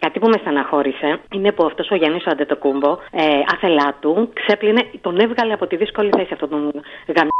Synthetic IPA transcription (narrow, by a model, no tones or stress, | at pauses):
kɐt̪ipumesɐnɐxo̞ɾise̞ine̞puɐft̪o̞so̞ʝɐnisoɐd̪et̪okumbo̞eɐθe̞lɐt̪ukse̞pline̞t̪o̞ne̞vɣɐliɐpo̞t̪iðisko̞liθɐiseɐft̪ot̪onɣɐm